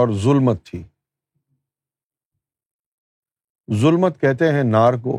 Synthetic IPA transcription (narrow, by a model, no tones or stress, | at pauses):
ɔːɾzʊlmət̪ʰːiː | zʊlmət̪kɛɦt̪eɦɛ̃naːɾko̰ː